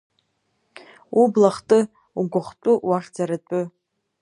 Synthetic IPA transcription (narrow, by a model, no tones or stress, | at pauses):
ublaχtʼɨ | uɡʷʊχtʷʼʊwaχʲd͡zaɾatʷʼʊ